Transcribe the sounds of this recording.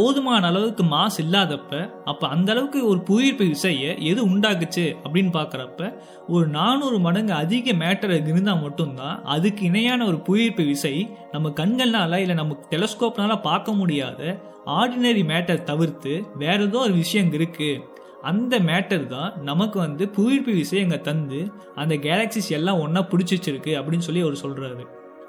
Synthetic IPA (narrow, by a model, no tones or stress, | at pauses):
poːðɯmaːnɐɐːlɐʋɯkːɯmaːsɪlːaːðɐpːɐʔɐpːɐːɐnd̪ɐlɐʋɯkːɯɔɾɯpujiɾpiʋɪsɐjɐʔɛðɯʊɳɖaːk̬ɯt͡ʃːɯɐpːɐɽɪnːɯpaːɾkɪɾɐpːɐ | ɔɾɯnaːnuːɾɯmɐɽɐŋɡɐɐðɪɣɐmeːʈːɐɾɐkɪɾɯnd̪ãːmɐʈːɯnt̪ã̰ːʔɐðɯkːɯɪnɐjaːnɐɔɾɯpujiɾpiʋɪsɐɪnɐmːɐkɐɳɡɐɭnaːlɐɪlːɐnɐmːɐkːɯ̥ʈɛlɐskoːpnaːlɐpaːɾkɐmʊɽɪjaːðɐ | aːɾɖɪnɐɾimeːʈːɐɾt̪ɐʋɪɾt̪ɯʋeːɾɐðõːɔɾɯʋɪʂɐjɐŋɪɾɯkːɯ | ɐnd̪ɐmeːʈːɐɾt̪ãːnɐmɐkːɯʋɐnd̪ɯpʊjɪɾpiʋɪsɐɪɛŋɡɐt̪ɐnd̪ɯ | ɐnd̪ɐɡeːlɐksisɛlːãːɔnːɐpʊɽɪt͡ʃːɪt͡ʃːɪɾɯkːɯɐpːɐɽɪnːɯs̬ɔlːiɐʋɐɾɯsɔlraːɾɯ